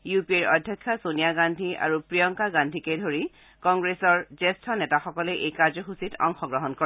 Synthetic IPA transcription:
jupieɹɔ̰dʱjɔkʰːasonijaɡandʱia̰ɹupɹijɔŋkaɡandʱikejdʱoɹi | kɔŋɡɹesɔɹzɛstʰɔnɛtaxɔkɔlɛʔejkaɹzɔxusitʰɔ̰ŋxɔɡɹɔɦɔnkɔ

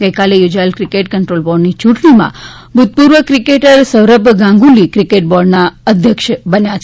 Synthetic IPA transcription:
ɡəjkalejod͡ʒaəlkɾikeʈkəɳʈɾolbɔɖnit͡ʃuʈɳimã̰ | bʱud̪̚puɾʋəkɾikeʈəɾsəʋɾəbɡãŋɡũlikɾikeʈ̚bɔɾɖnaəd̪ʱjəkʃbənjat͡ʃʰ

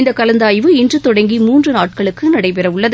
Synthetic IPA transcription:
nd̪ɐkɐlɐnd̪aːjʋɯɪndrɯt̪ːɔɽɐŋɡimuːndrɯnaːʈ̚kɐɭɯkːɯnɐɽɐɪpɛɾɐʋʊɭːɐð

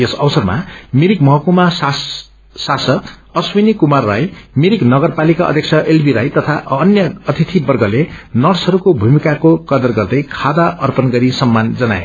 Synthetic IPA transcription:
esʌwsʌrma̰miɾik̚mʌɦʌkumas | sasʌd̪ | ʌswinikumarːa̰jmiɾiknʌɡʌrpalikaʌ̰d̪ʱjʌk̚t͡sʰʌʔelbʱiɾajt̪ʌt̪ʰaʔʌnjʌʌt̪ʰit̪ʰibʌrɡʌlenʌrsʌɾukobʱumikakokʌd̪ʌrɡʌrd̪ʌjkʰad̪aʔʌrpʌnɡʌɾisʌmːand͡zʌna̰ḛ

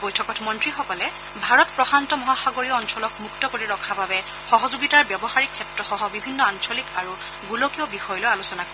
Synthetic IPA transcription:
bɔjtʰɔkɔtmɔntɹixɔkɔlɛ | bʱaɹɔtpɹɔxantɔmɔɦaxaɡoɹijɔɔnsɔlɔkmuktɔkoɹiɹɔkʰababɛ | xɔɦɔzuɡitaɹbjɔbɔxaɹikʰːɛptɹɔxɔɦɔbibʱinːɔansɔlikaɹu | ɡulokiɔbixɔjɔlojalusɔnak

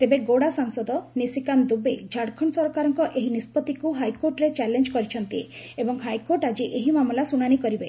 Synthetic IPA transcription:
t̪ebeɡoɽasaŋsɔd̪ɔnisikand̪ubed͡ʒʱaɽkʰɔɳsɔɾɔkaɾɔŋkɔʔeɦinispɔt̪ikuɦajkoɾʈɾet͡ʃɛlend͡ʒkɔɾit͡ʃʰɔnt̪ieebɔŋɦajkoɾʈad͡ʒiʔeɦimamɔlasuɽ̃aɽ̃ikɔɾibe

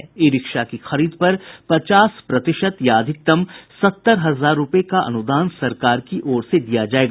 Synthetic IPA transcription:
ɪɾɪkʃakixɐɾiːd̪̚pɐɾpɐt͡ʃaːspɾɐt̪ɪʃət̪jaːd̪ʱɪk̚t̪əmsɐt̪ːəɾɦɐzaːɾːʊpekaʔɐ̰nʊd̪aːnsɐɾkaːɾkiʔɔːɾsed̪ijad͡ʒaːeːɡ

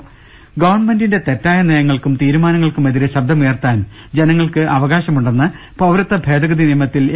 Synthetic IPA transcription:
ɡɐʋɐrɳme̞ndinde̞t̪e̞tːaːjɐneːjɐŋːɐɭkumt̪iːɾumaːnɐŋːɐɭkumeðiɾeɕɐbd̪ʱɐmujɐrt̪aːn | d͡ʑe̞nɐŋːɐɭkɨʔɐʋɐɣaːɕɐmuɳɖenːɨ | pɐʋɾɨt̪ːɐbʱe̞ːd̪ɐɣɐðinijɐmɐt̪ːil

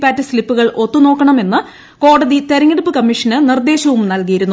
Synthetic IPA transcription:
pːaːtːɨslipːuɣɐɭʔo̞t̪ːuno̞ːkːɐɳɐme̞nːɨ | ko̞ːɽɐðit̪e̞ɾɐŋːiɽupːɨkɐmːiʂɐnɨnird̪e̞ːɕɐʋumnɐlk̬ijiɾunːu

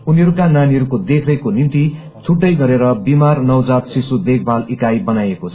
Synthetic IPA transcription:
uniɦʌɾukananiɦʌɾukod̪ekʰrʌkonint̪i | t͡sʰuʈːʌjɡʌɾeɾʌbimarnʌwd͡zat̪sisud̪ek̚ʰbʱalikajbʌnajekot͡sʰʌ

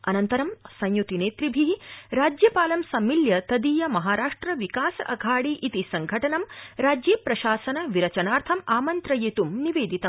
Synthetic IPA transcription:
ɐnɐnt̪ɐɾɐmsɐ̃jjut̪ineːt̪ɾibʱiɦiɾaːd͡ʒjɐpaːlɐmsɐmːiljɐt̪ɐd̪iːjɐmɐɦaːɾaːʂʈɾɐʋikaːsɐʔɐɡʱaːɽiʔit̪isɐŋɡʱɐʈɐnɐmɾaːd͡ʒjeːpɾɐʃaːsɐnɐʋiɾɐt͡ʃɐnaːɾt̪ʰɐmaːmɐnt̪ɾɐjet̪umniʋeːd̪it̪ɐm

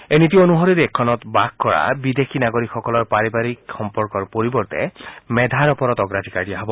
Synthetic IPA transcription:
enit̬ioonuɦoɾiɾɛkʰːɔnɔt̪bak̚kɔɹa̰bid̪ekʰinaɡoɾikxɔkɔlɔɹpaɹibaɹikxɔmpɔɹkɔɹpoɹibɔɹt̪ɛ̰mɛd̪ʱaɹɔpɔɾɔt̪ɔɡɹad͡ʒʱikaɹɖijaɦɔbɔ

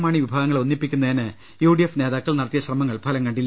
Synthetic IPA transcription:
maːɳiʋibʱaːɣɐŋːɐɭonːipːikʲːunːɐinɨ | juːɖijefne̞ːðaːkːɐɭnɐɽɐt̪ːijɐɕrɐmɐŋːɐɭpʰɐlɐŋkɐɳɖilːɐ

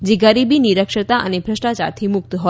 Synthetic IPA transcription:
d͡ʒeɡəɾibiniɾəkʃət̪aʔə̰nebʱɾəsʈat͡ʃa̰ɾt̪ʰimʊk̚t̪ɦɔ

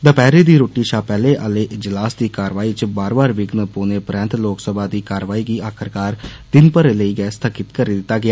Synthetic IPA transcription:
d̪əpɛːɾeːd̪iːɾoːʈːiːʃaːpɛːleːʔaleːʔɪd͡ʒlaːsd̪iːkaːɾʋaːiːt͡ʃəbaːɾbaːɾʋɪɡnəpoːneːpɾɛ̃ːnt̪loːksəbaːd̪iːkaːɾʋaːiːɡiːaːkʰəɾkaːɾd̪ɪnpəɾeləiːɡɛːst̪ʰaːkɪt̪kəɾiːd̪ɪt̪ːaːɡɪaː

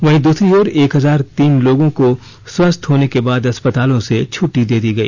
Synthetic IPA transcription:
ʋɐɦĩd̪uːsɾiɔːɾeːkɦɐzaːɾt̪iːnloːɡõko | swɐst̪ɦoːnekebaːd̪ɐspət̪aːlõset͡ʃʰʊʈːid̪eːd̪iɡɐḭː

